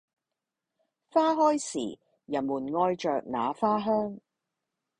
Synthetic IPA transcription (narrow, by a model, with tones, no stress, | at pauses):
faː˥ɦɔː˥jsḭː˨˩ | jɐ˨˩nmuː˨˩nŋɔː˧jt͡ʃœː˨k̚naː˨˧faː˥ɦœː˥ŋ